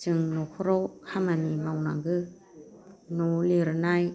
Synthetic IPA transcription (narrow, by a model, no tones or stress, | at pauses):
t͡ʃɯŋnɔkʰɔɾɔwkʰamanimawna̰ŋɡɯ | nɔliɾnaj